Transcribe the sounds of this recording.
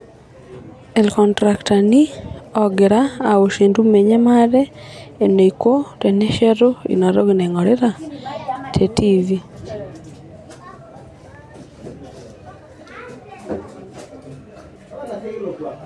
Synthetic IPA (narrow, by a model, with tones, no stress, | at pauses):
ɛlkɔntɾaktaniɔ˨ɡɪ˨ɾaːo˨ʃe˨ndu˦me˨ɲe˦ma˦ɾɛː˦˨no˨iko˦tɛ˨ne˦ʃɛ˦ɾo˦ḭ˨nɔ˨ɾoɡine˨ŋɔ˨ɾeɾa˨ | tʰetivi